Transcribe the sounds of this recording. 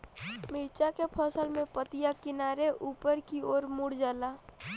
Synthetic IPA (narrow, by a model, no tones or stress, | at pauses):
mɪɾt͡ʃakepʰɔːsəlmẽpət̪ɪjakɪnaːɾeʔuːpəɾkioːɾmʊɽd͡ʒaːlaː